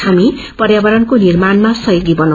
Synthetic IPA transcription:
ami | pʌrjabʌɾʌnkonirmanmasʌjoɡibʌna

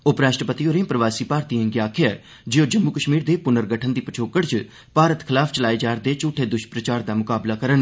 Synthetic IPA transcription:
oːpɾaːʃʈəpət̪ioːɾẽpɾəʋaːsiːpaːɾt̪iːɦə̃ŋɡeaːkʰɪjaɛ | d͡ʒeːoːd͡ʒəmːuːkəʃmiːɾd̪eːpʊnəɾɡəʈʰənd̪iːpət͡ʃʰoːkəɽt͡ʃ | paːɾət̪kʰɪlaːfʰt͡ʃəlaːeːd͡ʒaːɾd̪eːt͡ʃuːʈʰːeːd̪ʊʃpɾət͡ʃaːɾd̪aːmʊkaːblaːkəɾən

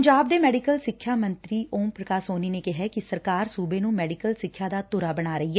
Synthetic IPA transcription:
ɲd͡ʒaːb̚d̪eːmɛːɖikəlsɪkʰːjaːmənt̪ɾiːʔoːmpɾəkaːsoːniːneːkɪɦɛːkɪsəɾkaːɾsuːbeːnũːmɛːɖɪkəlsɪkʰːjaːd̪aːt̪ʊɾaːbəɽ̃aːɾəiːɦɛː

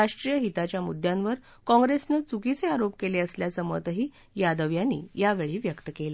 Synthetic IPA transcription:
aʂʈɾijəɦit̪at͡ɕjamṵd̪ʱjãnʋəɾ | kɔ̃ŋɡɾesnet͡sukit͡seaɾop̚keleəsljasəmə̰t̪əɦiː | jad̪əʋjanːḭːjaʋeɭiːʋjəkt̪əkele

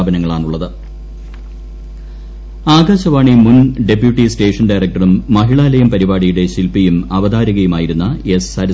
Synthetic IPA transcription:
bɐnɐŋːɐɭaːɳuɭːɐðɨ | aːɡaːɕɐʋaːɳimunɖepjuʈːiste̞ːʂɐnɖɐjrɐk̚ʈːɐrumːɐɦiɭaːlɐjɐmpɐɾibaːɽijuɽe̞ɕilpijumɐʋɐd̪aːɾiɣɐjumaːjiɾunːɐesɐɾ

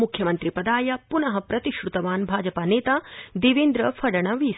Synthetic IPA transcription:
mukʰjɐmɐnt̪ɾipɐd̪aːjɐpunɐɦɐpɾɐt̪iʃɾut̪ɐʋaːnbʱaːd͡ʒɐpaːneːt̪aːd̪iʋeːnd̪ɾɐfʰɐɽɐɳɐʋiːs

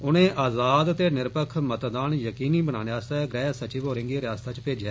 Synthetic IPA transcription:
ʊnẽːʔaːzaːd̪t̪eːnɪɾpəkʰmət̪d̪aːnjəkiːniːbəna̰ːneaːst̪aːɡɾɛːsət͡ʃiːʋoːɾɪ̃ŋɡiːɾɪjaːst̪aːt͡ʃpeːd͡ʒɛː

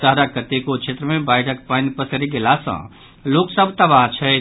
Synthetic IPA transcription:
saɦɾakət̪ekot͡ʃʰet̪ɾəmebajʈʰəkpajnpəsəɾiɡelasə̰̃ | loksəbʱt̪əβaɦt͡ʃʰɛ

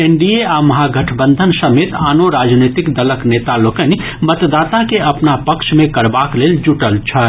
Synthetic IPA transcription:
eɳɖieaməɦaɡʱəʈʰbə̃nd̪ʱənsəmet̪anoɾad͡ʒnot̪ikd̪ələknet̪alokəni | mət̪d̪aːt̪akeʔɐpnapəkʃmẽkəɾbakleːld͡ʒuʈəlt͡ʃʰə

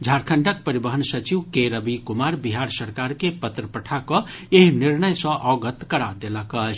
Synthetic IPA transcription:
d͡ʒʱaɾkʰəɳʈək̚pəɾibəɦənsət͡ʃiʋkeɾəbikumaɾbiɦaɾsəɾkaɾkepət̪ɾəpəʈʰakɔeɦiniɾnəjsə̃ʔɔɡət̪kəɾad̪eləkət͡ʃʰ

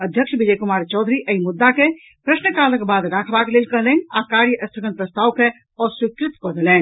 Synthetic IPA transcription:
əd̪ʱjəkʃbid͡ʒəjkumaːɾt͡ʃɔːd̪ʱɾiʔəimud̪ːake | pɾəsnəkaːləkbaːd̪ɾakʰbaklelkəɦlɛnakaɾjəʔəst̪ʰəɡənpɾəst̪aːwke | ɔːɾsikɾɪt̪kɔd̪ʱelɛːn

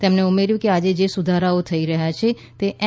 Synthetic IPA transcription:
t̪ɛmneumeɾjũkead͡ʒed͡ʒesʊd̪ʱaɾaot̪ʰəiɾəɦjat͡ʃʰe | t̪eʔ

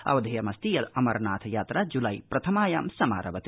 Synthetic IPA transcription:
ɐ̰ʋɐd̪ʱɐjɐmɐst̪ijɐlɐmɐɾnaːt̪ʰɐjaːt̪ɾɐd͡ʒulɐjpɾɐt̪ʰɐmaːjaːmsɐma̰ːɾʔɐʋɐt̪i

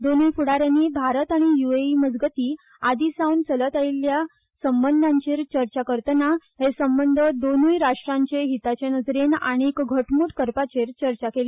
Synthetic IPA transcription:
d̪onuːjfuɽaɾjanːiːbʱaɾət̪aɽ̃ijueiməd͡zɡət̪iː | ad̪iːsaunsələt̪ailja | səmbənd̪ʱãɲt͡ɕeɾt͡ɕəɾt͡ɕakəɾt̪ənaɦesəmbənd̪ʱəd̪onuːjɾaʂʈɾãɲt͡ɕeɦit̪at͡ɕenəd͡zɾena̰ɽ̃ikɡʱəʈmuːʈkəɾpat͡ɕeɾt͡ɕəɾt͡ɕakele

